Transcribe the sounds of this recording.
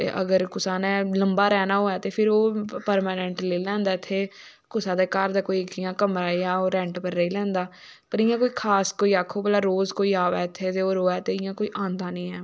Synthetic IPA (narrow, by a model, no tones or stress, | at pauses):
t̪ḛːʔə̰ɡəɾkʊsaːnɛ̃ːləmbaːɾɛːnaːɦoːɛːt̪eːpʰɪɾoːpəɾmaːnɛ̃ɳʈleːlɛ̃ːnd̪aːɪt̪ʰːeː | kʊsãːd̪eːkaːɾd̪aːkoːiːɡɪjãːkəmɾaːɪjaːoːɾɛ̃ɳʈpəɾːəiːlɛ̃ːnd̪aː | pəɾɪːãːkoːiːkʰaːskoːiːaːkʰːoːpəlaːɾoːzkoːiːaːʋɛːɪt̪ʰːeːt̪eːoːɾoːɛːt̪eːɪjãːkoːiːʔãːnd̪aːnĩːɛː